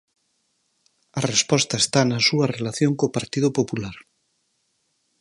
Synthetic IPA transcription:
ɐrespɔst̪ɐest̪anɐsuɐrelaθjoŋkoːpaɾt̪iðʊpopulaɾ

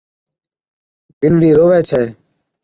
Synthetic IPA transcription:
pɪnɽiːɾoːʋɛːt͡ʃʰɛː

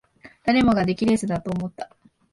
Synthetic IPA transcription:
d̪̥aɾe̞mo̞ɡad̪e̞kʲiɾe̞zɨd̪at̪o̞ːmo̞t̪ːḁ

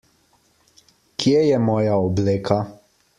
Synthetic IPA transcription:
kʰjejɛmɔːjaɔbleːkʰa

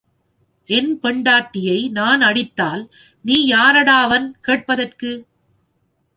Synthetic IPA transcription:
ʔɛnpɛɳɖaːʈːɪjɐɪnaːnɐɽɪt̪ːaːl | niːjaːɾɐɽaːʋɐnkeːʈ̚pɐðɐrkɯ

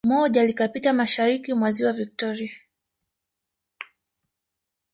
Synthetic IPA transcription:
mɔʄalikapitamaʃaɾikimwaziwavik̚tɔɾia

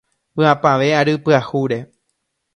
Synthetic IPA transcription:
pɨapaʋe̞aɾɨpɨahuɾe

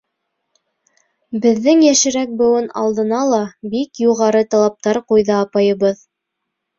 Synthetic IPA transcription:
bɘ̆ðːɘŋjæʃɘ̆ɾæk̚bɤ̆wɤnɑ̰lˠd̪ɤ̆nɑlˠɑbikjuʁɑɾɤt̪ɑlˠɑp̚t̪ɑɾqujðɑːpɑjɤ̆βɤð

